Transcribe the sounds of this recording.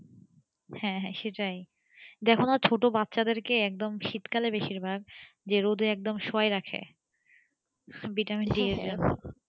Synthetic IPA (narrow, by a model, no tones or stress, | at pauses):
hɛ̃ɦɛ̃ʃeʈaj | d̪ɛkʰonaɾt͡ɕʰoʈobat̪ːɕad̪eɾkeɛk̚d̪omʃit̪kalebeʃiɾbʱaɡ̚ | d͡ʑeɾod̪ʱeɛk̚d̪omʃoajɾakʰḛ | biʈaminɖieɾd͡ʑon